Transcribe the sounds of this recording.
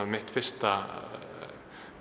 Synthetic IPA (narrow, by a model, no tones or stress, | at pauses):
amɪht̪fɪr̥st̪a